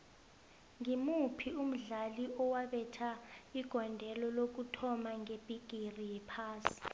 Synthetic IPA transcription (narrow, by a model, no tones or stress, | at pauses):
ŋimupʰium̩ɮaliɔwaɓɛtʰaiɡ̥ʱɔndʱɛlɔlok̬utʰɔmaŋeb̥ʱiɡ̥ʱirijɛpʰaːsi̥